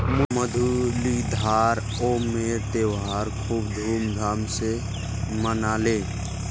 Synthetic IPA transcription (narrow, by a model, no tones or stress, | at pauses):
mməd̪ʱulid̪ʱaɾ | omeɾt̪ewɦaɾkʰubd̪ʱuːmd̪ʱamse | mənale